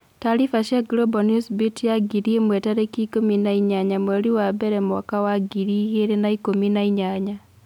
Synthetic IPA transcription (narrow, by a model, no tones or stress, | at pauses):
taɾifaʃaɡlɔbɔnusbitjaɡiɾiemwɛtaɾekikominaiɲaɲamwɛɾiwabɛɾɛmwɔkawaɡiɾieɾenaikominaiɲaɲa